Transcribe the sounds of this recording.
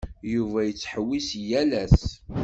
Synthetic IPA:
juvæjət͡sːħəwːisjælæs

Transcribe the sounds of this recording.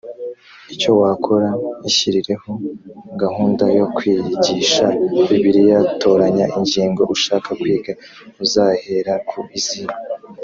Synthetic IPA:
ico̞waːkʰoɾaiçiɾiɾe̞ho̞ɡahuːndajo̞kwiːɟiʃaiβiɾijato̞ɾaɲaʔiɲɟiːŋɡo̞ʔuʃaːkakwiːɡa | uzahe̞ɾakʰuʔiziɾa

